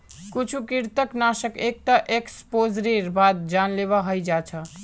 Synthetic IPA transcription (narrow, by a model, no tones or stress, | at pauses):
kut͡ʃʰukiɾt̪əknasəkek̚t̪əʔekspod͡ʒɾiɾbad̪̚d͡ʒanleβaɦəjd͡ʒat͡ʃʰə